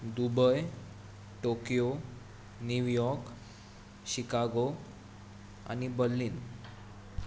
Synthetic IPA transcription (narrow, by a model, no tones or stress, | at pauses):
d̪ubəj | ʈokijo | njuʋjɔɾk | ɕikaɡo | a̰ñibəlːiːn